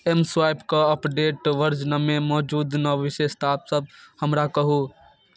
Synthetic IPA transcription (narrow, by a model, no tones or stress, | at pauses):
emswaːjpkaəpɖeːʈʋəɾd͡ʒnəmemɔːd͡ʒuːd̪nɔʋɪʃeːst̪aːpsəb̚həmɾakəɦu